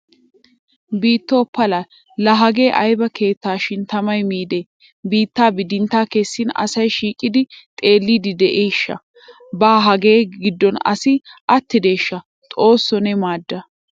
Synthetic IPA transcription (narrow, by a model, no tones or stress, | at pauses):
biːt̪ːɔːpːɐla | lɐɦɐɡe̞ːʔɐjbɐke̞ːt̪ːaːʃɪnt̪ɐmɐjmiːd̪e | biːt̪ːaːbɪd̪ɪnt̪ːaːkɛsːɪnɐ̰sɐjʃiːkʼɪd̪ɪt̪ʼe̞ːlːiːd̪ɪd̪ɛʔejʃːɐ̰ | baːɦɐɡe̞ːɡɪd̪ːɔnɐ̰sɪʔɐt̪ːɪd̪e̞ːʃːɐ | t̪ʼo̞ːsːɔnɛmaːd̪ːɐ